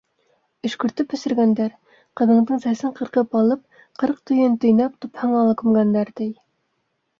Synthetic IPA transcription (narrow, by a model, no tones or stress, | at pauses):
ɵ̆ʃkɵ̆ɾt̪ɘpɵ̆sɘ̆ɾɡænd̪æɾ | qɤ̆ðɤ̆ɴd̪ɤɴsæsɘɴqɤ̆ɾqɤpɑlˠɤp̚ | qɤɾq̚t̪ɵ̆jɘnt̪ɵ̆jnɑpt̪ŭphɑɴɑlˠɤkɵ̆mɡænd̪æɾt̪ɘj